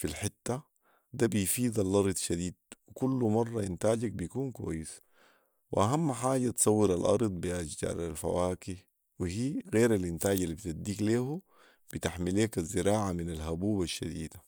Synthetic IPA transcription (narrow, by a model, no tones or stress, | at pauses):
filħɪt̪ːa | d̪abijfiːd̪ɑlːɑɾˤd̪ˤʃad̪iːd̪̚wikulːumɑrˤːɑint̪aːɟak̚bijkuːnkwa̰jːis | wʔaɦamːħaːɟat̪sˤɑwːɪɾalʔɑ̰ɾˤd̪ˤbiʔad͡ʒd͡ʒa̰ːɾˤalfa̰waːki | wihiːɣeːɾalʔint̪aːɟalːibit̪ad̪iːkleːhu | b̥it̪aħmileːkazːɪɾaːʕaminalɦabuːbaʃːa̰d̪ḭːd̪a